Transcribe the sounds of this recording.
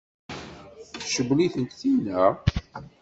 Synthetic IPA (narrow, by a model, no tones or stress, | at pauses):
θʃəbliθənt̪θinæ